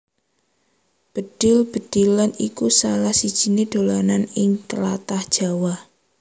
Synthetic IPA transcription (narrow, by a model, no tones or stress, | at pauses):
b̥əd̥ɪlb̥ə̤d̥ilanikusalahsid̥ʒ̥i̤ned̪̥o̤lananɪŋt̪əla̰t̪ahd̥ʒ̥a̤wah